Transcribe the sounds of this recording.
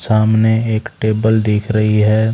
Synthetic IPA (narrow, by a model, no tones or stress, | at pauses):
saːmneeːkʈeːbəld̪iːkʰɾɐɦiɦɛː